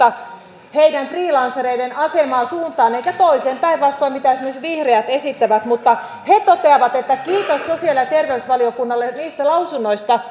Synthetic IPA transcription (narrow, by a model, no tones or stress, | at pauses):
ɑ | heidænfriːlɑnseɾeidenɑsemɑːsuːnt̪ɑːneikæt̪oiseːmpæiʋʋɑst̪oimit̪æsemːˑoset̪ʋihreæt̪esit̪ːæʋæt̪mut̪ːɑ | het̪ot̪eɑʋɑt̪et̪ːækiːt̪osːosiɑljɑt̪erʋeusʋɑliokunːɑlːeniːst̪ælɑusunːoist̪ɑ